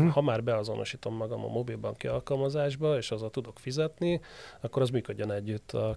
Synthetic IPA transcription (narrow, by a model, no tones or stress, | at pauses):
hɒmaːrbɛɒzo̞̰nʔo̞ʃiːt̪o̞mːɒɡɒmɒ̰mo̞bilbɒŋkiɒlkɒlmɒzaːʒbɒeːʃɒzɒt̪ud̪o̞kfizɛt̪niɒkːo̞ɾɒzmyːkød̪ːø̞nɛɟːyt̪ʰːɒ